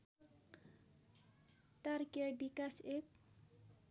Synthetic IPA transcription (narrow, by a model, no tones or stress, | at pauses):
t̪arkjʌbikasek̚